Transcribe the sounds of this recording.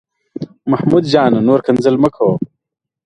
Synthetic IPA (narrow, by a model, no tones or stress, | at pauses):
mɐhmud̪d͡ʑaːnɐnoːɾkʰɐnzɐlmɐkʰoː